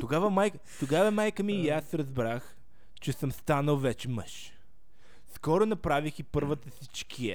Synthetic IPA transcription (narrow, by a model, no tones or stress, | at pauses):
t̪oɡavɐmajk | t̪oɡavɐmajkəmiːjasɾɐzbɾax | t͡ʃɛsəmst̪anəlˠvɛt͡ʃɛməʃ | skɔɾonɐpɾavixipɤɾvət̪əsit͡ʃkʰiɛ